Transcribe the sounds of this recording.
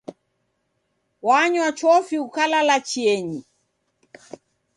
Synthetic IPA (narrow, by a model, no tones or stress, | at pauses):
waɲwat͡ʃɔfiukalalat͡ʃiɛɲi